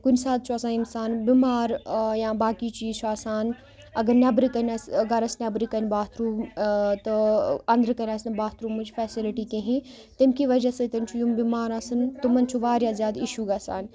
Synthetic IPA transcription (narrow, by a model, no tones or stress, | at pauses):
kʊnsaːd̪̚t͡ʃʰoɐsãːimsaːnbimaːɾjãːbaːkit͡ʃiːzt͡ʃʰuaːsaːn | ɐɡɐɾnɐbɾikɐnʲaːsɡɐɾɐsnʲɐbɾikɐnbaːt̪ʰɾuːmt̪ɐɐ̃nd̪əɾkɐnaːsɨnbaːt̪ʰɾuːmud͡ʒfɛːsilɪʈikẽɦĩ | t̪ɐmkiʋɐd͡ʒɐsɐt̪ɐnt͡ʃʰujumbiːmaːɾaːsɨnt̪umɐnt͡ʃʰuʋaːɾjazʲjaːd̪iʃuːɡaːsa̰ːn